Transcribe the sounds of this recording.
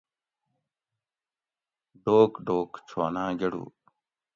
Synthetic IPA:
ɖoːkɖoːkt͡ɕʰoːnãːɡeɽṵː

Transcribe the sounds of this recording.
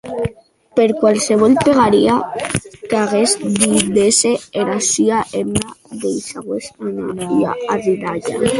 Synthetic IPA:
peɾkwalseβɔlpeɣaɾiakaɣesd̪ideseeɾasyaʔemnaðejsaɣwesanamoɾia̰ariðaʎa̰

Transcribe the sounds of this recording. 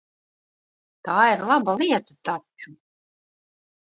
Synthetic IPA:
t̪aːiɾlˠabalˠiɛt̪at̪at͡ʃu

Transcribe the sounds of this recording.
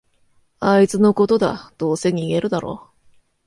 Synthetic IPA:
ait͡sɨno̞ko̞t̪o̞d̪a̰d̪̥o̞ːse̞ɲ̟iːɡe̞ɾɯ̟d̪aɾo̞̰ː

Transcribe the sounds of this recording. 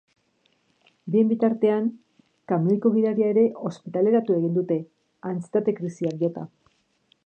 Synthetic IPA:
bie̞mbit̪aɾt̪e̞aŋ | kamelkoɣiðaɾiae̞ɾe̞ʔo̞spit̪ale̞ɾat̪ue̞ɣ̞ind̪ut̪e̞ | ant͡si̥t̪at̪e̞kɾisiakjot̪a

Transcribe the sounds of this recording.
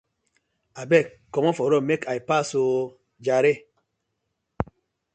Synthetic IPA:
abɛk | kːɔmɔfɔɾɔmekajpaso | d͡ʒaɾe

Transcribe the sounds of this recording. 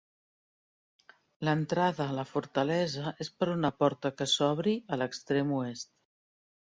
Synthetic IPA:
lənt̪ɾaðəːləfuɾt̪əlɛzəʔespəɾunəpɔɾt̪əkəsɔβ̞ɾiələkst̪ɾemuest̪

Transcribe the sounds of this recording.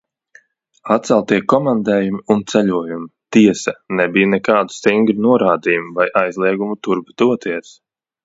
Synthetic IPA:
at̪̚sɛlˠt̪iɛkɔmand̪ɛːjumiunt̪sɛʎʲuɔjumit̪iɛsɐnɛbijnɛkaːd̪u̥st̪iŋɡɾinuɔɾaːd̪iːjumuvajʔajzlˠiɛɡumut̪uɾbd̪̥uɔt̪iɛs

